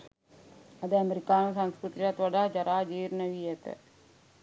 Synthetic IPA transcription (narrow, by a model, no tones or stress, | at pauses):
ɐd̪əɐmeɾikaːnəsanskɾut̪iɾat̪ʋɐɖaɦd͡ʒɐɾaːd͡ʒiːɾnəʋiet̪ə̰